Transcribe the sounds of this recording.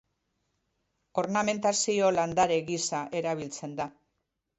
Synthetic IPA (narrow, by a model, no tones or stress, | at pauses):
o̞ɾname̞nt̪asio̞land̪aɾe̞ɣisaʔe̞ɾaβ̞ilt͡se̞nd̪a